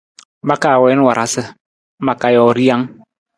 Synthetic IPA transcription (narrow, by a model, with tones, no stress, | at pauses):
ba˦ka˦˨wɛ˨˦n˦wa˨ɾʔa˨sɪ˦ | m̩˦ba˨ka˨jɔ˨ɾi˦ja˦ŋ